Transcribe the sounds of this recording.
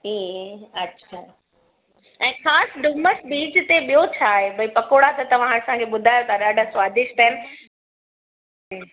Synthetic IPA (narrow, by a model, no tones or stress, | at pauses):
iːɐtːɕʰaː | ɛ̃ːxaːsɖʊməsbiːd͡ʑt̪eɓijot͡ɕʰaːɦebɐipɐkoːɽat̪ɐt̪ɐʋ̤ãɦaɾsãkʰeɓʊd̪ʱaːjot̪aːɗaɖəsʋaːd̪ɪʃt̪ɛːn